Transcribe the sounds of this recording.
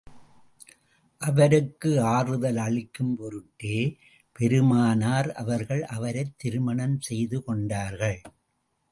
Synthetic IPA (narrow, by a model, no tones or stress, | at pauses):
ʔɐʋɐɾɯkːɯaːrɯðɐlɐɭɪkːɯmpɔɾɯʈːeː | pɛɾɯmaːnaːɾɐʋɐɾɣɐɭʔɐʋɐɾɐɪt̪ːɪɾɯmɐɳɐmsɛjðɯkɔɳɖaːɾɣɐɭ